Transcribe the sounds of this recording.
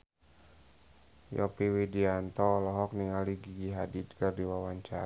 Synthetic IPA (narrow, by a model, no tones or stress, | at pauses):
jɔ̰piwidiant̪ɔlɔɦɔk̚niŋaliɡiɡiɦadit̪̚kərdiwawaɲt͡ʃa̰ɾ